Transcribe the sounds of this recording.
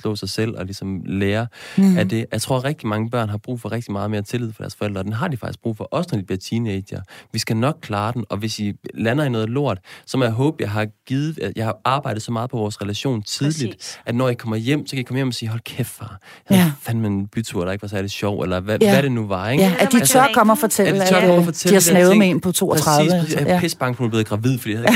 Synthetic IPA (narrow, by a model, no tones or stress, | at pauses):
slɔ̰sɑ̈ɪsel̰ɒ̽lisɒ̽mleːɐæd̥e̝jɑ̈ɪt͡sʰʁo̝ɐ̰ʁɛɡ̥̚d̥imɑ̈ŋəb̥ɶɐ̰nɦɑ̈b̥ʁṵːfɒʁeɡ̥̚d̥imɑ̈ːðˠme̝ːɐt͡sʰe̝lið̰ˠfɒd̥æːɐsfɒ̽eldʁɐːd̥enɦɑ̈d̥ifɑ̈ɡ̥isɡ̥bʁṵːfɒ̽ʔɒ̽sendi̥b̥liɐt͡sʰiːneɪdɐʋisɡ̥ænɒ̽ɡ̥̚kʰlɑ̈ːd̥en̩ɒ̽ʋe̝silænɐinɔ̽ːð̩ˠlo̝ɐ̰d̥sɒ̽mjaɦɔ̽ːb̥jɑ̈ɪɦɑ̈ɡ̥iːð̩ˠjɑ̈ɪhʔɑ̈ːb̥ɑ̈ɪ̰d̥ð̩ˠsɒ̽mɑ̈ːð̩ˠpʰɒʋɒːsʁɛlæɕo̝̰ːnt͡sʰið̞ˠlid̥ʔæd̥nɒ̰ːjikʰɒ̽m̰ɐjem̰sɒ̽kʰæjikʰɒ̽məjemɒsiːɦɒ̽lkʰefɑ̰̈ːfænmenb̥yt͡sʰuɐdɾɑe̝ɡ̥ʋɑ̈sæɐde̥ɕɒʊ̰elɐʋæʋæɾe̝nuʋɑ̈eɡæd̥it͡sʰɶɐ̰kʰɒ̽mɒfɒt͡sʰedl̰it͡sʰɶɐkʰɒmɒfɒt͡sʰeihɑsnɛːʊðˠmeenpʰɒt͡sʰo̝̰ːɒt͡sʰʁaðˠːsəʁsḭːspʰesb̥ɑ̈ŋɡ̥ʰonb̥e̝ð̩ˠɡ̥ʁɑ̈ʋið̞̰ˠfɒd̥ḭj